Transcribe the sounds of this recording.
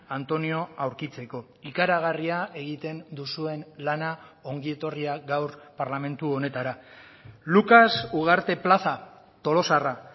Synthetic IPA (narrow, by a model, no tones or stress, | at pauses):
ant̪o̞nio̞awɾkit͡se̞ko̞ | ikaɾaɣ̞ariae̞ɣ̞it̪e̞nd̪usue̞nlanao̞ŋɡie̞t̪o̞riaɣawɾpaɾlame̞nt̪uo̞ne̞t̪aɾa | lukasuɣ̞aɾt̪e̞plasa | t̪o̞lo̞sara